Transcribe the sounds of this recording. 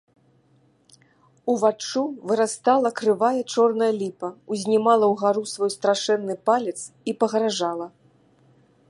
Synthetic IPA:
uvat͡ʂuvɨɾast̪alˠɐkɾɨvajɐt͡ʂɔrnɐjɐlʲipɐuzʲnʲimalˠɐwɣaɾusvɔjst̪ɾaʂɛnːɨpalʲɛt̪s | ipɐɣɾaʐalˠɐ

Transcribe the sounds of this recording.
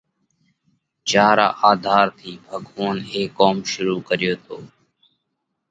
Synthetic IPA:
t͡ʃaːɾa̰ːʔaːd̪ʱaːɾt̪ʰiːbʱəɡʱoːneːkːoːmʃʊɾuːkəɾɪjoːt̪ʰoː

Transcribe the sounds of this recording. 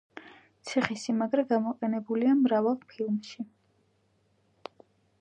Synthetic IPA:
t̪sʰiχisimaɡɾɛɡamɔqʼɛnɛbuliamɾavalˠpʰilˠmʃi

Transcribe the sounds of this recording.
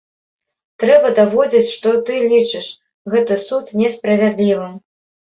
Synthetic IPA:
t̪ɾɛbɐd̪avɔd͡zʲit͡sʲʂt̪ɔt̪ɨlʲit͡ʂɨʂ | ɣɛt̪ɨsut̪nʲɛspɾɐvʲad̪lʲivɨ

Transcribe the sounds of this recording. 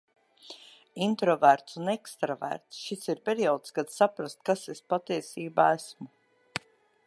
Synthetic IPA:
int̪ɾɔvæɾt̪sunɛkst̪ɾavæ̰ɾt̪sʃisiɾpʲeɾiɔːt̪skad̪sapɾast̪̚kasespat̪iɛsiːbaːæsmu

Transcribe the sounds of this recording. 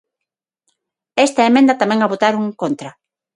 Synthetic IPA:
est̪aemẽnd̪ɐt̪amɛ̃ŋaβot̪aɾuŋkont̪ɾɐ

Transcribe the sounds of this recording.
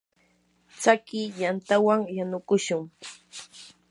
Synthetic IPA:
t͡sakɪʎant̪awaŋjanʊkʊʃʊŋ

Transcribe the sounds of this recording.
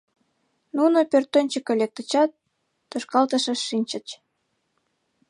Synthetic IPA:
nunopørt̪ːonʲt͡ɕəkelʲek̚t̪ə̆t͡ɕɑt̪ː | oʃkɑlt̪əʃə̆ʃinʲt͡ɕət͡ɕ

